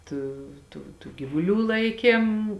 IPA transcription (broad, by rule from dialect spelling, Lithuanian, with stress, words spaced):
ˈtuː tuː tuː ɡʲiːʋʊˈlʲuː ˈlˠɐɪkʲeːm